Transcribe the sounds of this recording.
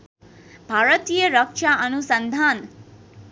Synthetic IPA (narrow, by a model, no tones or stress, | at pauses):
bʱaɾʌt̪ijʌɾʌk̚t͡ʃʰaʌnusʌnd̪ʱan